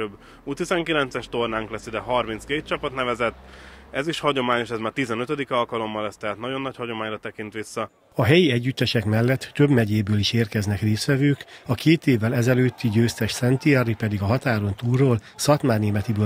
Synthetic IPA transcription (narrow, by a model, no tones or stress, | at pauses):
øb | ut̪izɛŋkilɛnt̪sɛʃt̪ornaːŋklɛsid̪ɛɦɒrmint̪skeːt̪̚t͡ʃɒpɒt̪nɛvɛzɛt̪ːɛziʃhɒɟo̞maːɲo̞ʃɛzmaːrt̪izɛnøt̪ød̪ikɒlkɒlo̞mːɒlɛst̪ɛɦaːt̪nɒɟo̞nːɒchɒɟo̞maːɲrɒt̪ɛkint̪ʋisːɒ | ɒɦɛjiɛɟːyt̪ːɛʃɛkmɛlːɛt̪ːøbmɛɟeːbøːliʃeːrkɛznɛkreːsʋɛvøːkɒkeːt̪eːvːɛlɛzɛløːt̪ʰːiɟøːst̪ɛʃsɛnt̪iɛripɛd̪iɡɒɦɒt̪aːɾo̞nt̪uːrːoːl | sɒt̪maːrneːmɛt̪ibøː